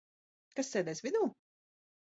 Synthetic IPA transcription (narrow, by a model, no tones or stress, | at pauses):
kasːɛːd̪ɛjsvid̪uː